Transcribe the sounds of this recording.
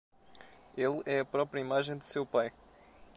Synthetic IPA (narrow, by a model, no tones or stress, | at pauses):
elˠɛɐpɾɔpɾjɐimaʒẽj̃d̪ɨsewpaj